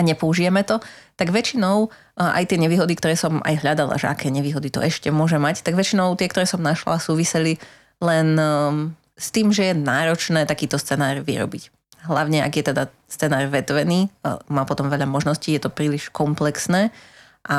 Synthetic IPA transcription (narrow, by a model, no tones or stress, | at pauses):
aɲɛpɔuʒijɛmɛt̪ɔt̪aɡʋɛt͡ʃinɔʊ | ʔa̰jt̪ɪɛɲɛʋiːɦɔd̪ikt̪ɔɾɛːsɔma̰jɦʎad̪ala̰ʒɛ̰akʰɛːɲɛʋiːɦɔd̪it̪ɔ̰ʔɛʃcɛmʊɔʒɛmact̪aɡʋɛt͡ʃinɔʊt̪ɪɛkt̪ɔɾɛːsɔmnaʃla̰suːʋisɛli | lɛn | st̪iːmʒɛjɛnaːɾɔt͡ʃnɛːt̪akiːt̪ɔst͡sɛnaːɾʋḭɾɔ̰bic | ɦlaʊɲɛa̰ɡjɛt̪ɛd̪a | st͡sɛnaːɾʋɛt̪ʋɛniːmaːpɔt̪ɔmʋɛʎamɔʒnɔsciːjɛt̪ɔpɾiːliʃkɔmplɛksnɛː | ʔa